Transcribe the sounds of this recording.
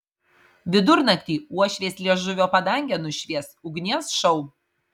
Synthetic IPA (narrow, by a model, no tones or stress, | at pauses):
ʋʲɪd̪ʊɾnɐkʲt̪ʲiːuɔʃʲʋʲeːsʲlʲiɛʒʊʋʲoːpɐd̪ɐŋʲɡʲɛnʊʃʲʋʲiɛsʊɡnʲisʃɐʊ